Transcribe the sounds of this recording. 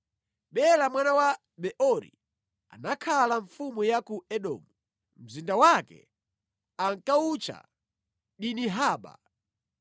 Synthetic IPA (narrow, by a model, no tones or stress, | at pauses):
ɓɛlamwanawa | ɓɛʔɔɾḭ | a̰nakʰalaɱfumujakuɛɗɔ̰ːmu | m̩zindawakɛ̰ | aŋkaut͡ʃa̰ | ɗiniɦaːɓa̰